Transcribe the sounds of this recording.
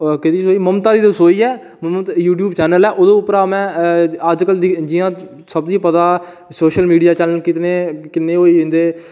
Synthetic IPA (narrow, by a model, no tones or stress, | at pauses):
kɪt̪iːsoːiːməmt̪aːd̪iːd̪soːiːɛː | mt̪juːʈ̬juːbt͡ʃɛːnəlɛːʔoːd̪õːʊpːəɾaːmɛ̃ːəd͡ʒkəld̪d͡ʒɪjãː | səbd̪iːpət̪aː | soːʃəlmiːɖijaːt͡ʃələnkɪt̪neːkɪnːeːɦoːĩːnd̪eː